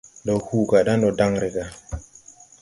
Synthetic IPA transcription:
ɗɔ˨huː˦ka˨ɗa˦nɗɔ˨da˦ŋɾe˨ka˨

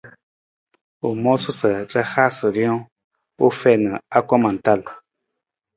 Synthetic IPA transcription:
u˨mɔ˦su˦sə˨tə˦ha˦sə˨ljɔ̃˦ | o˦fɛ˦˨nə˨a˦kɔ˦ma˨n̩˨ta˦˨l

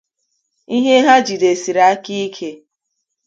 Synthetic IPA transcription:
i˦ɦe˦ɦa˦d͡ʒi˨de˨si˨ɾa˨a˦ki˦i˦kʰe˦

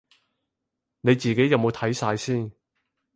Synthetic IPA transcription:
ne˨˧jt͡siː˨ke˨˥jɐ˨˧wmo˨˧wt̪ʰɐ˨˥jsaː˧jsiː˥˩n

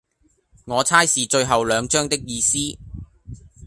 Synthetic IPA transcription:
ŋɔː˨˧t͡sʰaː˥jsiː˨t͡ʃɵ˧ɥɦɐ˨wlœː˨˧ŋt͡ʃœː˥ŋt̪ɪ˥k̚jiː˧siː˥

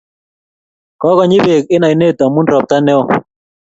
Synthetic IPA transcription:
kɔ˦kɔ˦ɲɪ˦be˨kɪ˦na˨i˨ne˦˨t̪a˨mu˦nɾɔ˨p̚t̪a˦nɛ˦ɔ˦˨

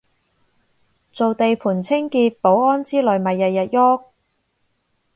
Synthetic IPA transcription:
t͡so˨wt̪e˨jpʰuː˨˩nt͡sʰɪ˥ŋkiː˧t̚po˨˥wɔː˥nt͡siː˥lœ˨jmɐ˨jːɐ˨jːɐ˨t̚jɔ˥k̚

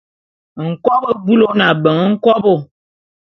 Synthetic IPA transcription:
ŋ̩˨kɔ˦bo˦bu˦lo˦na˨bə˨ŋə˦ŋ̩˦kɔ˦bo˦˨

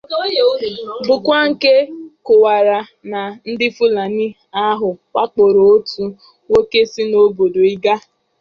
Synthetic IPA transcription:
bʊ˨kʷa˦ŋ̩˨ke˦kʊ˨wa˨ɾa˨ | na˨n̩˦dɪ˦fu˦la˨ni˦ | a˦ɦʊ˨kʷa˦k͡po˨ɾo˨o˦tu˨˦ | wo˦ke˦si˦no˦bo˨do˨i˦ɡa˦

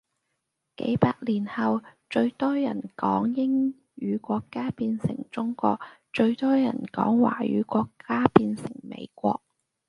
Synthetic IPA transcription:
kḛ˨˥jpaː˧k̚liː˨˩nhɐ˨wt͡ʃɵ˧ɥt̪ɔː˥jɐ˨˩nkɔː˨˥ŋjɪ˥ŋ | jyː˨˧kʷɔː˧kːaː˥piː˧nsɪ̰˨˩ŋt͡ʃʊ˥ŋkʷɔ̰ː˧k̚ | t͡ʃɵ˧ɥt̪ɔː˥jɐ̰˨˩nkɔ̰ː˨˥ŋwa̰ː˨˩jy̰ː˨˧kʷɔː˧kʰːaː˥piː˧nsɪ˨˩ŋmḛ˨˧jkʷɔː˧k̚

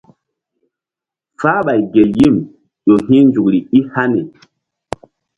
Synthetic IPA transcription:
faː˦ɓa˨jɡe˨ji˦˨m | ɗo˨ɦĩ˦nd͡ʒu˨kɾi˨i˦ha˦ne˨

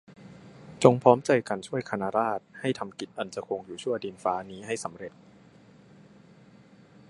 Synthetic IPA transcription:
t͡ɕo˧ŋpʰɔː˦˥mt͡ɕa˧jka˧nt͡ɕʰu˥˩əjkʰa˧naː˧˥ɾaː˥˩t̪̚ha˥˩jt̪ʰa˧mki˨˩t̪̚ʔa˧nt͡ɕa˨˩kʰo˧ŋjuː˨˩t͡ɕʰu˥˩ɐdiː˧nfaː˦˥niː˦˥ɦa˥˩jsa˩˦mɾe˨˩t̪̚

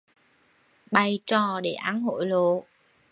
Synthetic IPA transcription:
ɓa˧˩jt͡ɕɔ˧˩ɗe˧˩ʔaː˨˦nɦo̰˧˨jlo̰˧˨

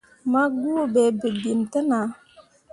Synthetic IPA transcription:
ma˦ɡu˦˨be˨bi˨bi˨ntə˦na˨˦

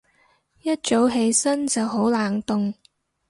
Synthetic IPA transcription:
jɐ˥t̚t͡ʃo˨˥wɦe˧jsɐ˥nt͡sɐ˨wɦo˨˥wlaː˨˩ŋt̪ʊ˨ŋ

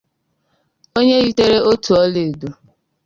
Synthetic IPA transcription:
o˦ɲe˦ɣi˦te˦ɾe˦ʔo˦tu˨ɔ˦le˨du˨

